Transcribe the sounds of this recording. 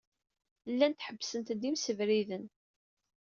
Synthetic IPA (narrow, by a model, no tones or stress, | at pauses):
lːænt̪ħəbːsənt̪d̪imsəvɾiðən